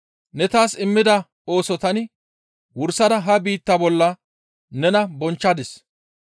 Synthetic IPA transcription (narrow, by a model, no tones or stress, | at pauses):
nɛt̪aːsɪmːɪd̪ɐ | o̞ːsɔt̪ɐnɪ | wʊɾsɐd̪ɐɦɐbiːt̪ːɐbɔlːɐ | nɛnɐbɔnt͡ʃːɐd̪ɛs